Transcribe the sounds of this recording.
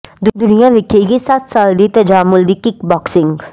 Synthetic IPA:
d̪ʊd̪ʊnijãʋɪkʰːekisat̪saːld̪it̪ɐd͡ʒaːmʊld̪ikɪkbɔksɪŋɡ

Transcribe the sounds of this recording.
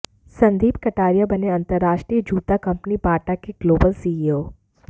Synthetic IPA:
sɐ̃nd̪ʱiːbkɐʈaːɾijabɐneɐ̃nt̪əɾːaːʃʈɾiːəd͡ʒuːt̪akɐ̃mpnipaːʈakeɡ̥loːbəlsiːioː

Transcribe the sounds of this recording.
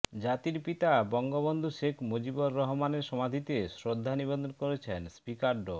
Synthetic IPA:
d͡ʑat̪iɾpit̪abɔŋɡobond̪ʱuʃekʰmod͡ʑiboɾːɔɦmaneɾʃɔmad̪ʱit̪esɾod̪ʱːanibod̪onkoɾet͡ɕʰenspikaɾɖo

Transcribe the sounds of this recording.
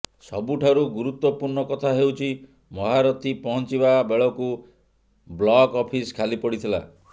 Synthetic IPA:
sɔbuʈʰaɾuɡuɾut̪wɔpuɾɳɔkɔt̪ʰaɦewt͡ʃʰi | mɔɦaɾɔt̪ʰipɔɦɔnt͡ʃibabeɭɔku | blɔkɔpʰiskʰalipɔɽit̪ʰila̰

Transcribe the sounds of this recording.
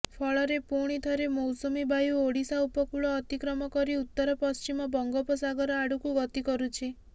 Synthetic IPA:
pʰɔɭɔɾepuɽ̃it̪ʰɔɾemɔwsɔmibajuoɽisaupɔkuɭɔːt̪ikɾɔmɔkɔɾiut̪ːɔɾɔpɔst͡ʃimɔbɔŋɡɔpɔsaɡɔɾɔaɽukuɡɔt̪ikɔɾut͡ʃʰi

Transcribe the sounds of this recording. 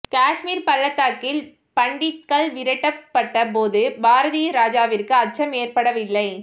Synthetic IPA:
kaːʂmiːɾpɐlːɐt̪ːaːkːɪl | pɐɳɖɪʈ̚kɐɭʋɪɾɐʈːɐpːɐʈːɐpoːðɯbaːɾɐðijɐɾaːd͡ʒaːʋɪrkɯɐt͡ʃɐmeːrpɐɽɐʋɪlːɐɪ

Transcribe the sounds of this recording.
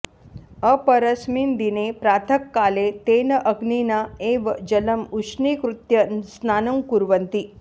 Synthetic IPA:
əpəɾəsmiːnd̪inepɾaːt̪ʰəkːaːlet̪enəʔəɡninaeʋd͡ʒələmuʂniːkɾut̪jəsnaːnɐŋkuɾʋənt̪i

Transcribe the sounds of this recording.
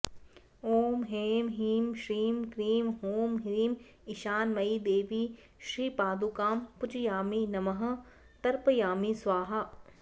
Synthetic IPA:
oːmɦeːmɦiːmʃɾiːmkɾiːmɦoːmɦiːm | ɪʃaːnmɐid̪eːʋi | ʃɾiːpaːd̪ukaːmpʊt͡ʃjaːminɐmɐɦɐ̆ | t̪ɐɾpəjaːmisʋaːɦɐ

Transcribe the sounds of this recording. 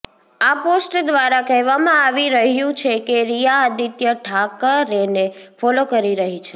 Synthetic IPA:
aposʈd̪ʋaɾakɛɦʋamãaʋiɾəɦjũt͡ʃʰekeɾijaːd̪it̪jəʈʰakəɾene | fɔlokəɾiɾəɦit͡ʃʰe

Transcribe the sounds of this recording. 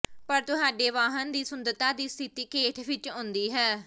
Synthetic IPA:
pəɾt̪ʊɦaːɖeːʋaːɦənd̪iːsʊnd̪ət̪aːd̪iːst̪ʰɪt̪iːkeːʈʰʋɪt͡ʃɦʊ̃nd̪iːɦɛː

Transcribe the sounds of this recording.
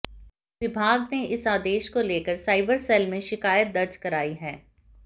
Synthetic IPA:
ʋɪbʱaːɡneʔɪsaːd̪eːʃkoleːkəɾsaːɪbəɾsɛːlmẽʃɪkaːjət̪̚d̪ɐɾd͡ʒkɐɾaːiɦɛː

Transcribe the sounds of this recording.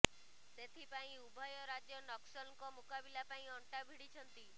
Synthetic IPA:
t̪et̪ʰipaĩubʱɔjɔɾad͡ʒjɔnɔksɔnkɔmukabilapaĩɔɳʈabʱiɽit͡ʃʰɔnt̪i

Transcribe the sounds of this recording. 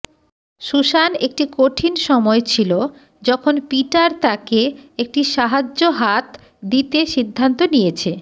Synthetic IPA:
ʃuʃanek̚ʈikoʈʰinʃɔmɔet͡ɕʰilo | d͡ʑɔkʰonpiʈaɾt̪akeek̚ʈiʃaɦad͡ʑoɦat̪ | d̪it̪eʃid̪ʱːant̪onijet͡ɕʰe

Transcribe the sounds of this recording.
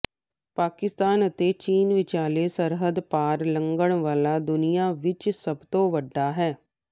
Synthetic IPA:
paːkɪst̪aːnət̪et͡ʃiːnʋɪt͡ʃaːlesəɾɦəd̪paːɾlə̃ŋɡəɽ̃ʋaːlaːd̪ʊnijaːʋɪt͡ʃsəbt̪oːʋəɖːaːɦɛː

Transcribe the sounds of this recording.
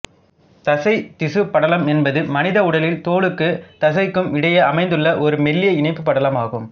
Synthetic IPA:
t̪ɐsɐɪt̪ɪsɯpːɐɽɐlɐmɛnbɐðɯmɐnɪðɐʊɽɐlɪlt̪oːɭɯkːɯt̪ɐsɐɪkːɯmɪɽɐjɐɐmɐɪnd̪ɯɭːɐʔɔɾɯmɛlːɪjɐɪnɐɪpːɯpːɐɽɐlɐmaːɣɯm

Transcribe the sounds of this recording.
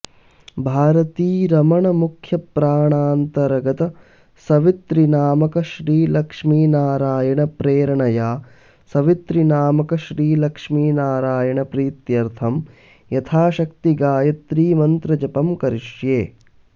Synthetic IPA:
bʱaːɾɐt̪iːɾɐmɐɳɐmukʰjɐpɾaːɳaːnt̪ɐɾɐɡɐt̪ɐ | sɐʋit̪ɾinaːmɐkɐʃɾiːlɐkʂmiːnaːɾaːjɐɳɐpɾeːɾɐɳɐjaː | sɐʋit̪ɾinaːmɐkɐʃɾiːlɐkʂmiːnaːɾaːjɐɳɐpɾiːt̪jɐɾt̪ʰɐm | jɐt̪ʰaːʃɐkt̪iɡaːjɐt̪ɾiːmɐnt̪ɾɐd͡ʒɐpɐmkɐɾiʂjeː

